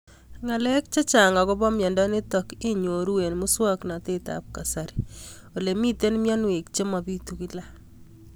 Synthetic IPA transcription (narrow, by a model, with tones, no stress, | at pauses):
ŋa˨lɛ˦k̚t͡ʃa˦t͡ʃa˨ŋa˨kɔ˦bɔ˦mjɔ˨ndɔ˦nɪ˦tɔ˨ke˦ɲo˨ɾu˦we˨nmu˦swa˦kna˨te˦ta̰˨p̚ka˨sa˨ɾo˨le˨mi˦te˦nmjɔ˦nwe˨k̚t͡ʃe˦ma˨bi˦tu˨ki˦la˦